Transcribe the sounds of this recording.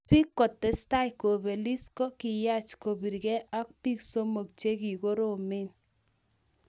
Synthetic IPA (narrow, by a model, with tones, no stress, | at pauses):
si˦kːɔ˨tːɛ˨sta˦jko˨be˨li˦skɔ˦kɪ˨ja˦t͡ʃko˨bi˨ɾɡɛ˦ʔa˦k̚pi˦kso˦mo˨kt͡ʃe˦ki˨ko˦ɾo˦˨mɪ˦n